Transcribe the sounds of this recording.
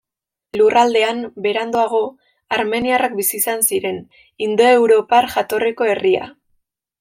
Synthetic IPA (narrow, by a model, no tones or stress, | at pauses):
lurʔald̪e̞ambe̞ɾand̪oaɣ̞o̞ | aɾme̞niarak̚bisiːsansiɾe̞n | ind̪o̞ewɾo̞parʝat̪o̞reko̞e̞ria̰